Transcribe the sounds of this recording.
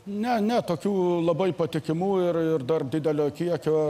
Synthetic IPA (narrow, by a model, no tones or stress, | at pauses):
nʲɛnʲɛt̪oːkʲuːlˠɐbɐɪpɐt̪ʲɪkʲɪmuːɪrɪrd̪ɐrd̪ʲɪd̪ʲɛlʲoːkʲiɛkʲoː